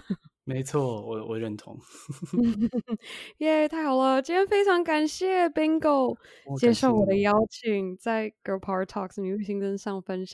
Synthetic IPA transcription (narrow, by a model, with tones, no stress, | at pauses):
me˧ɪt͡sʰwɔ˥˩wɔ˨˩wɔ̰˨˩ɻə˥˩nt̪ʰʊ̰˧˦ŋ | jɛ˥˧t̪ʰa˥˩ɪxɑ˨˩ʊlə˧t͡ɕi˥jɛ˥nfe˥ɪʈ͡ʂʰɑ˧˥ŋka˨˩nɕjɛ˥˩pi˥ŋko˥˩ʊ | t͡ɕjɛ˥˧ʂo˥˩ʊwɔ˨˩d̪ə˦jɑ˥ʊt͡ɕʰi˨˩ŋt͡sa˥˩ɪɡo˧˥ʊpʰɑ˥ɹt̪ʰɑ̰˥˩ksni˧˥y˥˩ɕi˧˥ŋt͡sə˥nʂɑ˥˧˩ŋfə˥nʂ